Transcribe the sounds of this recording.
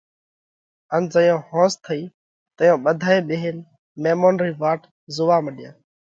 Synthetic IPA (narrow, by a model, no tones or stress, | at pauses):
ənd͡ʒəjõːhõːst̪ʰəiː | t̪əjõːɓəd̪ʱaːeːɓeːɦɪn | meːmoːnɾiːʋaːʈ | zʊʋaːməɗɪjãː